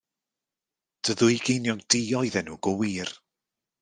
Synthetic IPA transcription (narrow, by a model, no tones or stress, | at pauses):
d̥əðʊjɡejnjɔŋdiɔɨðɛnuːɡ̥ɔwiːr